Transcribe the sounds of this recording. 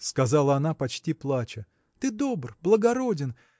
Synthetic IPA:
skɐzalˠəɐnapɐt͡ɕtʲiplˠat͡ɕə | t̪ɨd̪o̞brblˠəɡɐɾo̞dʲɪn

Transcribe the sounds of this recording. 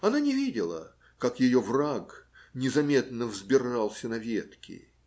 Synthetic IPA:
ɐnanʲɪvʲidʲɪlˠə̰ | kakjɪjovraknʲɪzɐmʲe̞t̪nːəvzbʲɪralˠsʲənɐvʲet̪kʲɪ̰

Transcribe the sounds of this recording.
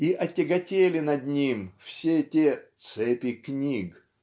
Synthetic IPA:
iʔɐtʲɪɡɐtʲelʲɪnɐd̪ʲnʲimfsʲetʲet̪sɛpʲɪknʲiɡ

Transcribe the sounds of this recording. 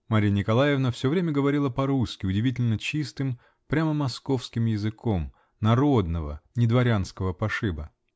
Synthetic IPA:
maɾʲijənʲɪkɐlˠajɪvnəfsʲovɾʲemʲəɡəvɐɾʲilˠəpɐɾuskʲɪʊdʲɪvʲitʲɪlʲnət͡ɕist̪ɨm | pɾʲaməmɐsko̞fskʲɪmjɪzɨkʰom | nɐɾo̞d̪nəvə̰nʲɪd̪vɐɾʲanskəvəpɐʂɨbə

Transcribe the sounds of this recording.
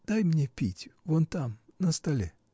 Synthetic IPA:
d̪̥ajmnʲepʲitʲvont̪amnəst̪ɐlʲe

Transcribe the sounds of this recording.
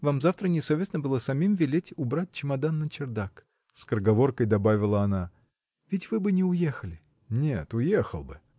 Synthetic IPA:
vamzaft̪ɾənʲɪsovʲɪsnəbɨlˠəsɐmʲimvʲɪlʲetʲʊbɾat̚ʲt͡ɕɪmɐd̪anːət͡ɕɪrd̪ak | skɾəɡɐvo̞rkəjd̪ɐbavʲɪlˠəɐna | vʲɪtʲvɨbɨnʲɪʊjexəlʲɪ | nʲet̪ʊjexə̰lˠbɨ̰

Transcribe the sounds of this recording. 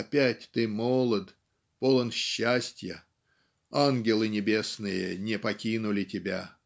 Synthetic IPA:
ɐpʲætʲt̪ɨmolˠət̪ | polˠənɕːasʲtʲjə | anɡʲɪlˠɨnʲɪbʲe̞snɨjənʲɪpɐkʲinʊlʲɪtʲɪbʲa

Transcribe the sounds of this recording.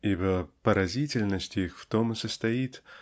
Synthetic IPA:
ibəpəɾɐzʲitʲɪlʲnəsʲtʲixft̪omɨsəst̪ɐjit̪

